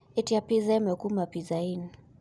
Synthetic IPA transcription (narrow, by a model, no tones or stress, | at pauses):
itiapizamɛkumapizain